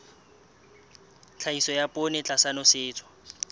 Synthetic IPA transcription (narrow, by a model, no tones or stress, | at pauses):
t͡ɬʰaisɔjapʼʊnɛt͡ɬʼasanɔsɪːt͡sʰɔ̥